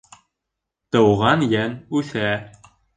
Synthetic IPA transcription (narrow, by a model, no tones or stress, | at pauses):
t̪ɤ̆wʁɑnjænʉθæ